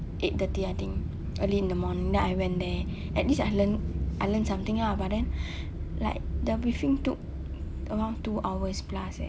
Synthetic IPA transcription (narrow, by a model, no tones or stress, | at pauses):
ʔet̚dət̪iat̪ĩŋ | ʔəliĩndəmɔ̃nĩŋdɛ̃najwɛ̃ndɛ | ʔɛt̚lisajlənʔajlənsãmt̪ĩŋlabadɛ̃n | la̰ɪk̚dəbɹifĩŋtuk̚ | əwãntːuʔawəsplasɛ̰